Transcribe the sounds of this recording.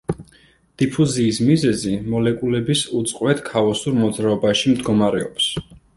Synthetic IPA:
d̪̥ipʰuziːsmizɛzimɔlɛkʼulɛbisut̪sʼqʼwɛt̪ʰkʰavɔsuɾmɔd̪zɾaɔbaʃimd̪ɡɔmaɾɛɔps

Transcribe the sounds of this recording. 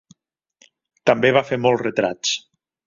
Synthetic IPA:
t̪ambeβafemɔlˠrət̪ɾa̰t͡s

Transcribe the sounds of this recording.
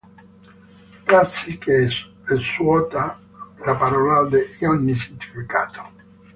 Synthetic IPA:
pɾat̪sike | ɛswɔt̪a | lapaɾɔːlad̪eiɔnːisint̪i̥fika̰ːt̪o̥

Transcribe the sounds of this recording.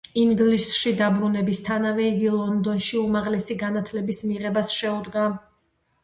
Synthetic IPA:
iŋɡlisʃid̪abɾunɛbist̪ʰanavɛiɡilˠɔnd̪ɔnʃiumaʁlɛsiɡanat̪ʰlɛbismiʁɛbasʃɛud̪ɡa

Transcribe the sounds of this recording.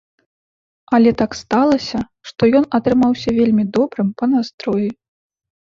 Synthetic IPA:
ɐlʲɛt̪akst̪alˠɐsʲɐ | ʂt̪ɔjɔnɐt̪ɾɨmawsʲɐvʲelʲmʲid̪ɔbɾɨmpɐnast̪ɾɔji

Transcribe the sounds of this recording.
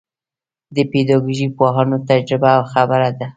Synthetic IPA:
d̪əped̪ɑɡuʒipwɑɦɑnot̪ad͡ʒɾɪbaːwxabəɾad̪a

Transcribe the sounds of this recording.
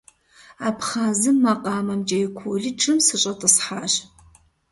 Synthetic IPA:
aːpχaːzɨmːɐqʼɑːmɐmd͡ʒʼɐjɪkʷʰoːɮiːʈ͡ʂʰʼɨmsɨɕʼɐtʼɨsħaːɕ

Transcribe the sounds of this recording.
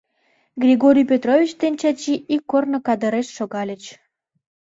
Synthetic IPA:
ɡrʲiɣoɾʲijpʲet̪rovʲit͡ɕd̪enʲt͡ɕɑt͡ɕiʔikːornə̆kɑd̪əɾeʃːoɣɑlʲət͡ɕ

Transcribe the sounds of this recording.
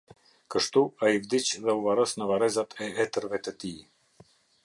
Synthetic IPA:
kəʃt̪uaivd̪it͡ʃðɛuvaɾəsnəvaɾɛzat̪ʰɛɛt̪əɾvɛt̪ət̪i

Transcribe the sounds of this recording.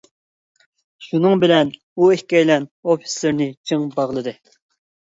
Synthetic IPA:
ʃunɨŋbɪlɛn | uehkʲɛjlɛnofi̥slɪɾnɪt͡ʃʰɨŋbɑʁlˠɨd̪ɨ

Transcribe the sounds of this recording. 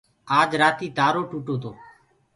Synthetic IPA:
aːd͡ʒɾaːt̪iːd̪aːɾoːʈuːʈoːt̪ʰoː

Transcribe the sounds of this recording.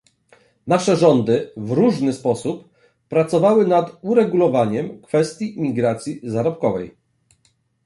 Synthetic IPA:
naʂɛʐɔnd̪ɘvɾuʐnɘspɔsupː | ɾat̪sɔvawɘnat̪uɾɛɡulɔvaɲɛmkfɛst̪ʲjimʲiɡɾat̪sʲjizaɾɔpkɔvɛj

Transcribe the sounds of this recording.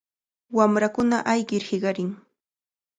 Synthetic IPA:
wamɾakʊnaʔajɢɪɾhɪɢɑɾɪŋ

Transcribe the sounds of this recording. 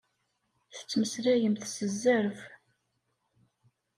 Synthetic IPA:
θə̥t͡sːməsɾæjəmθsəzːæɾf

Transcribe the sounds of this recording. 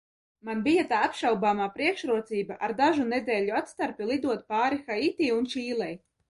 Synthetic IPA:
manbijat̪aːapʃawbaːmaːpɾiɛkʃɾuɔt̪siːbaʔaɾd̪aʒunɛd̪ɛːlʲuat̪st̪aɾpʲilˠid̪uɔt̪̚paːɾixait̪ʲiːunt͡ʃiːlˠɛj

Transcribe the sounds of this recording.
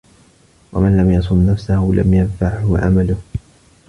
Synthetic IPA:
wa̰manlamjɑsˤʊnːafsahʊla̰mjanfaʕhʊʕa̰malʊh

